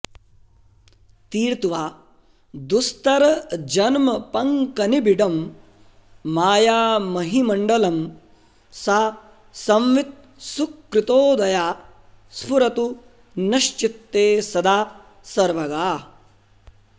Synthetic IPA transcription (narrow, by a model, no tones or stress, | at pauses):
t̪iːɾt̪ʋaː | d̪ust̪ɐɾɐd͡ʒɐnmɐpɐŋkɐnibiɖɐm | aːjaːmɐɦimɐɳɖɐlɐm | saː | sɐmʋit̪̚ | sukːɾɪt̪oːd̪ɐjaː | spʰuɾɐt̪u | nɐʃt͡ʃit̪ːeːsɐd̪aː | sɐɾʋɐɡaː